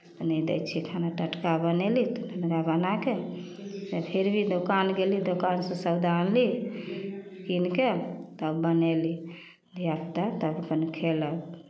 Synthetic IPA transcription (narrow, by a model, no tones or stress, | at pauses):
t̪ɔnəjd̪ɛ̰t͡ʃʰikʰanaʈəʈkabənelit̪onʱənɡabənake | d͡ʒepʰeɾbʱid̪okanɡelid̪okansə̃səwd̪ʱanli | kinket̪əbəneli | d̪ʱiabt̪at̪əbəpənkʰelək